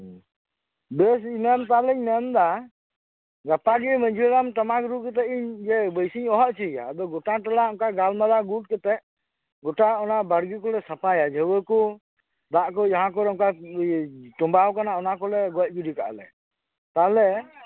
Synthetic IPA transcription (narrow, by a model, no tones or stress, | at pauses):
bɛs̬inɛmt̪alɛɲnɛmd̪a | ɡapaɡɛməɲd͡ʒilamʈamakɾukɛt̪̬ɛiɲd͡ʒɛbəjsiɲɔɦɔʔt͡ʃija̰bɔɡɔʈaʈalaɔŋkaʔɡalmalaɡuʈ̚kɛt̪ɛʔ | ɡɔʈaɔnaʔbaɽɡikɔlɛsapajad͡ʒəwəkɔ | d̪aʔkɔd͡ʒaɦãk̬ɔlɛɔŋkaʔ | ʈɔmbawkanaɔnakɔlɛɡɔc̚ɡudika̰ʔlɛ | t̪alɛ